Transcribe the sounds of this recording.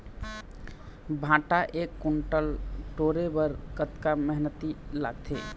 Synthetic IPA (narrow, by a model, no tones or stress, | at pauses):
bʱãʈaʔekːuɳʈəlʈoɾebəɾkət̪kaməɦnət̪ila̰ɡ̚t̪ʰḛ